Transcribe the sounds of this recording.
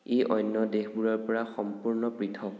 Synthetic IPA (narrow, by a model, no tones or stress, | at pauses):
ejʔɔjnːɔdexbuɹɔɹpɔɹaxɔmpuɹnɔpɹitʰɔk